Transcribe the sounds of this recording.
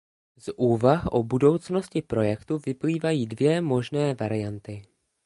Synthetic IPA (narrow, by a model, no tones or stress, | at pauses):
zʔuːvaxʔobudo̞wt͡sno̞scɪpɾo̞jɛkt̪uvɪpliːvajiːdvjɛmo̞ʒnɛːvaɾɪjant̪ɪ